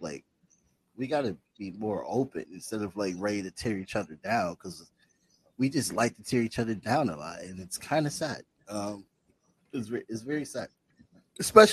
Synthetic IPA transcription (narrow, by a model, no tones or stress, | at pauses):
la̰ɪk̚ | wiɡɑɾɨ | b̥imɔɹʔoʊpɨ̰̃nɨ̃nstɛɾʌvlaɪkɹeɪ̃ɨtʰɪɹit͡ʃʌðə˞dãʊ̃nkʰʌz | wid͡ʒʌstˡlaɪk̚ðɨtʰɪɹit͡ʃʰʌðə˞dãʊ̃nə̰lɔ̰t̚ɨ̃nɨtskʰãɪ̃ndɨsæd̥̚ | ʌ̃m | ɨts̬vɛɨtsvɛɹisæd̚ | ɨspɛʃ